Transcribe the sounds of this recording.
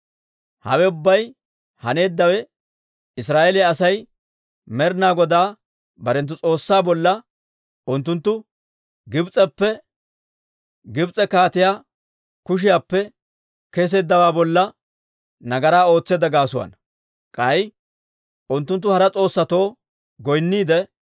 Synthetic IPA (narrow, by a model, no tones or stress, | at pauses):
hɐ̰wɛʊbːɐj | hɐne̞ːd̪ːɐwɛ | ɪsɾaːʔelɪjaːsɐj | mɛɾnaːɡɔd̪aː | bɐɾɛnt̪̬ːʊt͡sʼo̞ːsːaːbɔlːɐ | ʊnt̪ːʊnt̪ːʊ | ɡɪbt͡sʼɛpːɛ | ɡɪbt͡sʼɛkaːt̪ɪjaː | kʊʃ̬ɪjaːpːɛ | keːs̬e̞ːd̪ːɐwaːbɔlːɐ | nɐɡɐɾaːo̞ːt͡sːeːd̪ɐɡaːsʊwɐ̰n | kʼɐj | ʔʊnt̪ːʊnt̪̬ːʊhɐɾɐt͡sʼo̞ːsːɐt̪o̞ː | ɡɔjnːiːd̪ɛ